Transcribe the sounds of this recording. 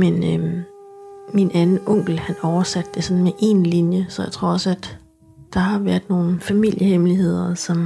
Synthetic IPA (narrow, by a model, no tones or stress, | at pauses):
menø | minʔænn̩ɔ̽ŋ̰ɡ̥l̩hænɒʊɐsæd̥ːe̝sɒ̽n̩meʔe̝nlinjəsɒ̽jäɪt͡sʰʁo̝ɐ̰ɒ̽sæd̥ː | ɑ̈ɦɑ̈ʋæɐd̥no̝ːn̩fæmil̰jəhemliɦe̝ð̞̰ˠɐsɒ̽m